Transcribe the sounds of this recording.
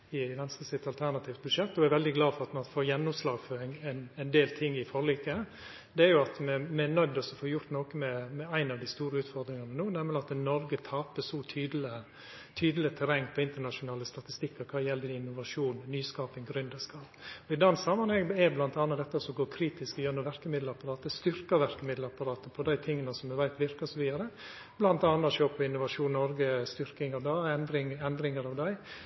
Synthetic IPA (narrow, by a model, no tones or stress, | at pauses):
ɪʋɛnskəsɪt̪ɑlt̪ʰæɾnɑt̪ʰiːʋt̪̚bʉd̪ʂɛt̪ːɔɛɾʋɛld̪ɪɡlɑːdfɔɾɑt̪mɑnfoːɾjɛnːʊmslɑːɡføɾɪŋnɛnd̪eːlt̪ʰɪŋːɪfɔɭiːkə | d̪ɛæːɾjʊɑt̪mɛmɛɛnœd̪ɔsɔfoːjʊɾt̪noːkəmɛmɛæɪnɑʋd̪ɪst̪uːɾəʉːt̪fɔɾd̪ɾɪŋɑnənuːnɛməlɪɑt̪nɔɾɡət̪ʰɑːpəsɔt̪ʰyːd̪ələ | t̪ʰyːd̪əlɪət̪ʰɛɾɛŋpʰɔɪnt̪əɳɑʂʊnɑːləst̪ɑt̪ɪst̪ɪkːəɾkʰɑːjɛlːəɪnːʊʋɑʂuːnːyːskɑːpɪŋɡɾʉnd̪əskɑːpɔɪd̪ɑnsɑmɑnhɛŋɛblɑnt̪ɑːnɑt̪d̪ɛt̪ːɑsɔɡoːkʰɾiːt̪ɪskɔjøːɾnɔʋæɾkəmɪd̪lɑpɑɾɑːt̪əst̪ʏɾkəɾʋæɾkəmɪd̪lɑpɑɾɑːt̪əpʰɔd̪æɪt̪ʰɪŋːənəsɔmd̪ʉʋæɪt̪ʋɪɾkəsɔʋiːd̪ɑɾə | b̥lɑnt̪ɑːnːɑt̪ʃoːpʰɔɪnːʊʋɑʂuːnnɔɾɡəst̪ʏɾkɪŋɑʋd̪ɑɛnd̪ɾɪŋɛnd̪ɾɪŋəɾɑʋd̪æɪ